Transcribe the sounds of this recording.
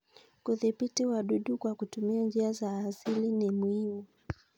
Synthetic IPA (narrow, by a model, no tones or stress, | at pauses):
kuðipitiwaɗuɗukwakutumiaɲd͡ʒiazaːsilinimuhimu